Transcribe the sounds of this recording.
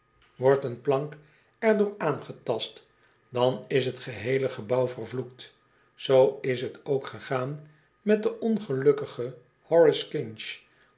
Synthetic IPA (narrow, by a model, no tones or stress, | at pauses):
ʋɔɹtənplɑŋk | ɛɹdʊːɹaːnχətɑst | dɑnɪsɦətχəɦejləχəbʌwvərvluk̚t | sowɪsɦətowkχəχaːn | mɛt̚dəʔɔnχəlɵkəχə | hɔɹɪskɪnʃ